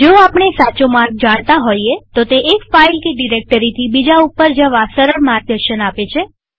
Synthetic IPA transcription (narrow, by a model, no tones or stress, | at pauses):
d͡ʒouapɳ̃esat͡ʃomaɾɡ̚d͡ʒaɽ̃t̪aɦoiet̪ot̪eʔːkfailkeɖiɾek̚ʈəɾit̪ʰibid͡ʒaupːəɾd͡ʒəʋasəɾəɾmaɾɡ̚d̪əɾʃənapet͡ʃʰe